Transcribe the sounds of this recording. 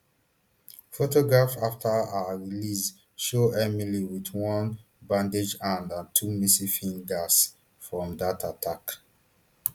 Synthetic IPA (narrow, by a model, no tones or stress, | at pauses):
fotoɡɹafaftʰəaɹilis | ʃoɛmiliwitwɔ̃n | bãnded͡ʒãndãtʰumisifĩŋɡas | fɹɔ̃mdatʰatʰak